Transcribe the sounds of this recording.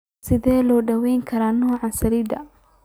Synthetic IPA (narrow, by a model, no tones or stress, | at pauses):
sɪðɛːlɔːɖɐwɛjŋkʰɐɾaːnɔːʕɑnsɐliːd̪ɐ